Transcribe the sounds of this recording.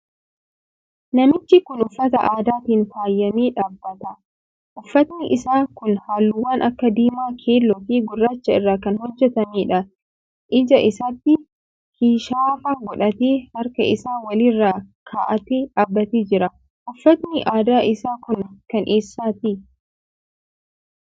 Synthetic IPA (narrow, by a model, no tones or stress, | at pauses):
nɐmɪt͡ʃːɪkʊnʊfːɐt̪ɐ̰ʔaːd̪aːt̪iːnfaːjːɐmeːᶑaːbːɐt̪ɐ | ʔʊfːɐt̪nɪʔɪsaːkʊnhaːlːʊwaːnʔɐkːɐd̪iːmaːkʰeːlːɔt̪iːɡʊrːaːt͡ʃːɐɪrːaːkɐnhɔd͡ʒːɛt̪ɐniːᶑɐ | ʔɪd͡ʒɐʔɪsɐt̪ːɪ | kiːʃaːfaːɡɔᶑɐt̪eːhɐɾkɐʔɪsaːwɐlɪrːaːkʰaːʔɐt̪eːᶑaːbːɐt̪eːd͡ʒɪɾɐ | ʔʊfːɐt̪nɪʔaːd̪aːʔɪsaːkʊnkɐnʔeːsːaːt̪i